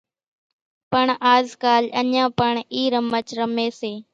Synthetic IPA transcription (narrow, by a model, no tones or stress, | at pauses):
pəɳaːzkaːləɲãːpəɳiːɾəmət͡ʃɾəmeːseː